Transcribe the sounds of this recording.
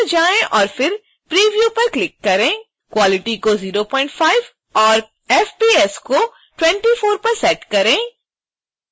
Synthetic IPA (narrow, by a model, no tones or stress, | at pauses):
d͡ʒaːẽʔɔːɾfɪɾ | pɾiːʋjuːpɐɾklɪkːɐɾẽː | kwaːlɪʈikoziːɾopɔ̃ːɪ̃ɳʈfaːɪʋ | ɔːɾ | ɛfbiːɛsko | ʈwɛ̃ɳʈifoːɾpɐɾsɛːʈkɐɾẽː